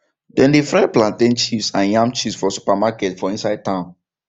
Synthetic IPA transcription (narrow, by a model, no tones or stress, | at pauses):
dɛ̃ndefɹɛplãntẽnt͡ʃifsãnjãmt͡ʃisfɔsu̥pamakɛtfɔĩnsaɪd̚tãʊ̃n